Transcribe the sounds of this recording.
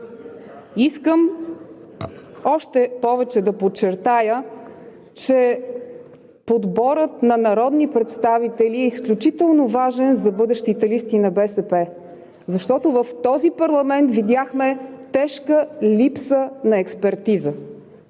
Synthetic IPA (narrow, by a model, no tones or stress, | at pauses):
iskəm | ɔʃt̪ɛpɔvɛt͡ʃɛd̪ɐpot͡ʃːɛɾt̪ajə | t͡ʃɛ | pod̪bɔɾət̪nɐnɐɾɔd̪nipɾɛt̪st̪avit̪ɛliɛisklʲut͡ʃit̪ɛlˠnovaʒɛnzɐbɤd̪ɛʃt̪it̪ɛlist̪inɐbɛsɛpɛ | zɐʃt̪ɔt̪ovəft̪ɔzipɐɾlˠɐmɛnt̪vid̪ʲjaxmɛt̪ɛʃkəlipsənɐɛkspɛɾt̪izə